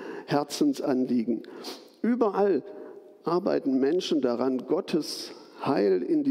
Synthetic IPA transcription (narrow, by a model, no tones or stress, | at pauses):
hɛɐt͡sn̩sʔanliːɡŋ̩ | ʔyːbɐʔal | ʔaɐba̰ɪtn̩mɛnʃn̩daʁanɡɔtʰəs | haɪlɪndi